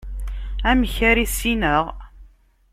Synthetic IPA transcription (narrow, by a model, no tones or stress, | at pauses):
æmçæɾisinəʁ